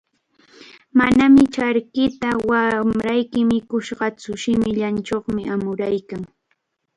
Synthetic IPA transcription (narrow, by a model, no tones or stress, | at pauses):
manamɪt͡ʃaɾkɪt̪awamɾajkɪmɪkʊʃɢɑt͡sʊʃɪmɪʎant͡ʃoχmɪamʊɾajkaŋ